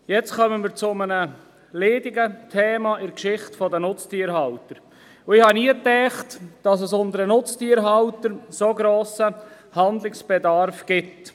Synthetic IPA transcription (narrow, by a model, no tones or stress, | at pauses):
jɛt͡skœmənməɾt͡sʊmənə | leːdɪɡətʰeːmɑʔɪɾkʃɪχtfɔdənʊt͡stiəɾɦɑwtəɾ | ʊɪhɑniːətɛːχtd̥ɑsəsʊndəɾənʊt͡stiəɾɦɑwtəɾsoɡɾoːsə | hɑnd̪lɪksb̥ɛdɑɾfɡ̥ɪt